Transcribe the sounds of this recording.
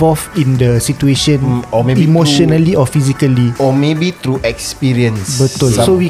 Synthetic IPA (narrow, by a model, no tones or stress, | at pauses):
ɔlfĩndəsitueʃə̃nɔeimoʃɔnaliɔfizikaliɔmebit̪ɾuʔɛkspiɾiə̃nsbət̪ɔlsowi